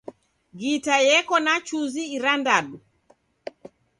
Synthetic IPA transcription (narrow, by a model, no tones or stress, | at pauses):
ɡitajɛkɔnat͡ʃuziːɾandaɗu